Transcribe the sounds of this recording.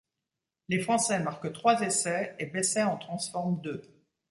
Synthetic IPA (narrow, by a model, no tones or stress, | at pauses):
lefχɑ̃sɛmaʁkt̪χwazesɛebɛsɛɑ̃t̪χɑ̃sfɔʁmd̪ø